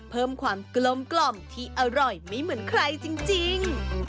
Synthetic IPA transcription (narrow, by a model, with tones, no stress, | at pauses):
pʰɤː˥˩mkʰwaː˧mklo˧mklɔ˧˩mt̪ʰiː˥˩ʔa˧ɾɔ˨˩jmiː˧˥˩mɯ˨˩˦ənkʰɾa˧jt͡ɕi˧ŋt͡ɕi˧ŋ